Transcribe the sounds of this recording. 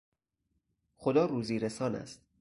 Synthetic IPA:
xod̪ɒːɾuːziːɾesɒːnæ̰st̪̚

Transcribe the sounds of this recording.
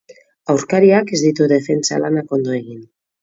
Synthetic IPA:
awɾkaɾiakezðit̪uðefent͡sa̰lanako̞nd̪oeɣ̞in

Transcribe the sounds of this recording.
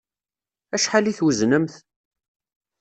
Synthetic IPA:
æʃħaliθwəznəmθ

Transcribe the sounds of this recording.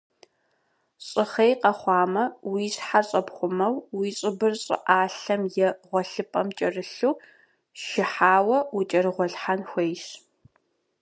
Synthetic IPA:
ɕʼɪχejqɐχʷɑːmɐwiːɕħaɕʼɐpχʷʊmɐwwiːɕʼɪbɨrɕʼɪ̰ʔaːɬɐmjɛʁʷɔɬɨpʼɐmt͡ʃʼɐrɨɬuː | ʃɪħaːwɐwit͡ʃʼɐrɨʁʷɔɬħanxʷejɕ

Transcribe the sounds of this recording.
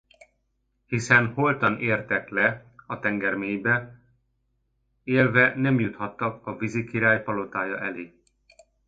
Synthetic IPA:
hisɛnho̞lt̪ɒneːrt̪ɛklɛɒt̪ɛŋɡɛrmeːɲbɛ | eːlvɛnɛmjut̪hɒt̪ːɒkɒvizikiɾaːjpɒlo̞t̪aːjɒʔɛleː

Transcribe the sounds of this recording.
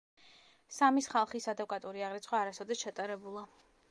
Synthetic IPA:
samisχalˠχisad̪ɛkʼat̪ʼuɾiaʁɾit̪sʰχwaːɾasɔd̪ɛsʃat̪ʼaɾɛbulˠa

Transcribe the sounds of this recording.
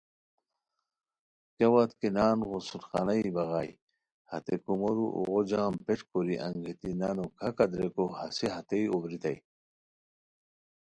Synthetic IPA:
kɐwat̪kenaːnɣosulxɑ̰najbɐɣaːj | hɐ̰t̪ekumoɾuʔṵɣod͡ʑaːmpeʈkoɾiʔɐ̰ŋɡet̪inaːnokʰɐkɐd̪ɾekohɐseɦɐt̪ejobɾit̪ɐi

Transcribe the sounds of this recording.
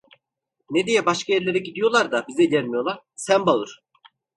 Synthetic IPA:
ned̪ejɛbaʃkʰajɛɾlʲe̞ɾɛɟid̪ijo̞lˠaɾd̪abizɛilʲɛnʲmijo̞lˠaɾ̥sænbalˠɯɾ̥

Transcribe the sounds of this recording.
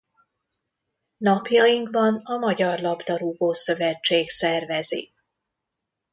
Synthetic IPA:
nɒpjɒiŋkvɒnɒmɒɟɒrlɒbd̪ɒɾuboːsø̞vɛt͡ʃːeːksɛrvɛzḭ

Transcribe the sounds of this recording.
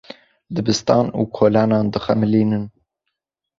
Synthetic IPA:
d̪ɨbɨst̪ɑːnṵːkʰoːlɑːnɑːnd̪ɨxɛmɨliːnɨn

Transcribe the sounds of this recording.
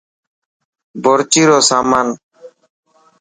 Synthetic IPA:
bɔɾt͡ʃiɾosaːman

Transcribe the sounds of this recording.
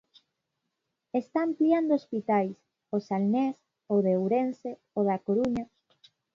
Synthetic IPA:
est̪aːmpliand̪oospit̪ajs | osalnes | oðeowɾense | oðakoɾuɲa

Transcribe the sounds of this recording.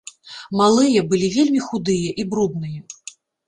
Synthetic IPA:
malˠɨjɐbɨlʲivʲelʲmʲixud̪ɨjɐʔibɾud̪nɨjɐ

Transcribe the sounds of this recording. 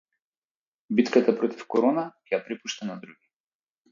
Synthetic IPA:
bit̪kat̪apɾɔt̪ifkɔɾɔnakɛjapɾipuʃt̪anad̪ɾuɡʲi

